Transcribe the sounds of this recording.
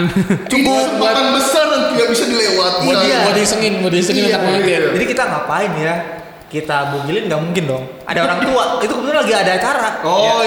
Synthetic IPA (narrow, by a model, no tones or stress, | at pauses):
nt͡ʃuɡubaɾaŋbəsardaŋt̪iɡabisadilewat̪imodiamodisəŋɪnmodiasəŋɪnanakmaad͡ʒadikit̪aŋapaɪnja | kit̪abuɡilɪnɡaʔmuŋkɪndɔŋ | ʔa̰daoɾaŋt̪uait̪ukəbət̪ɪlaɡiadaːt͡ʃaɾao